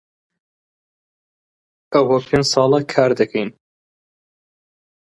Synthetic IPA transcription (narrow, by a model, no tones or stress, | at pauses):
ʔɐwɐpʰeːnsˤɑːlˠɐkʰaːɾd̪ɐkʰɛjn